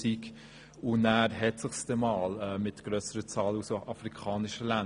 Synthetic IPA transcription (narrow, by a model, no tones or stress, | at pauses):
ik | ʊnæːɾɦɛtsɪχsd̥ɛmɑːlɛːmɪtɡ̥ɾœsəɾət͡sɑːlusʔɑfɾikʰɑːnɪʃəlæn